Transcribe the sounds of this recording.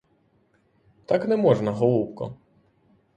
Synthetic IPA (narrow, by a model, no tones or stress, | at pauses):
t̪aknɛmɔʐnɐɦɔlˠupkɔ̰